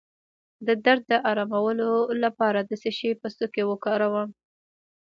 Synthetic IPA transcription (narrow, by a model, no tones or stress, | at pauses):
d̪əd̪aɾd̪̚ːəʔɑɾɑmawəlolapɑɾad̪əseʃepəst̪okewəkɑɾawəm